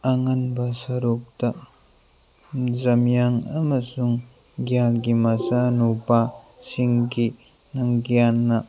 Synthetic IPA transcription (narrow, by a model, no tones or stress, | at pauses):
ɐŋɐnbɐsɐɾup̚tɐ | zɐmjaŋɐmɐsuŋ | ɡijalɡimɐsanubasiŋɡi | nɐŋɡijanːɐ